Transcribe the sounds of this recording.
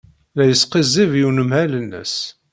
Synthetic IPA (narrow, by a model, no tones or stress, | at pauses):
læjəsqizivjunəmhælənːə̰s